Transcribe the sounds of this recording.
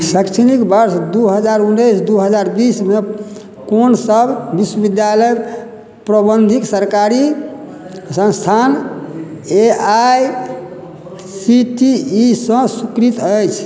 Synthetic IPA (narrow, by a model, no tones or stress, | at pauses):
səkt͡ʃʰnikbəɾsd̪uɦəd͡ʒaɾunejsd̪uɦəd͡ʒaɾbisme | konsəbʱbiswəbid̪jaləj | pɾəbənd̪ʱiksəɾkaɾi | sə̃nst̪ʰan | eaj | siʈiːsə̃sukɾit̪əjt͡ʃʰ